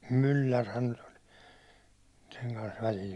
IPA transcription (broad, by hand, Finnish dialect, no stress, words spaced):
mylːærhæn nyt olʲ seŋ kɑns ʋælʲil